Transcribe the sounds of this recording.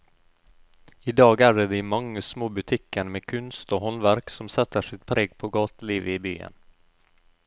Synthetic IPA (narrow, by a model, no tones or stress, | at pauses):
ɪd̪ɑːɡæɖɛd̪ɛmaŋːəsmoːbɵt̪ʰikʰːəɳmeːkʰɵnst̪ɔɦɔnvæɾksɔmsɛt̪ːəʂɪt̪̚pʰɾɛɡpʰɔɡɑːt̪liːvɪby̰ːə̰n